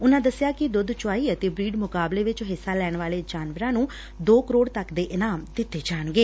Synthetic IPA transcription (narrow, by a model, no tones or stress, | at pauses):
ʊnãːd̪əsɪjaːkɪd̪ʊd̪t͡ʃʊaːiːət̪eːbɾiːɖmʊkaːbleːʋɪt͡ʃɦɪsːaːlɛːɳʋaːleːd͡ʒaːnʋəɾãːnũː | d̪oːkəɾoːɽt̪əkd̪eːʔɪnaːmd̪ɪt̪ːeːd͡ʒaːnɡeː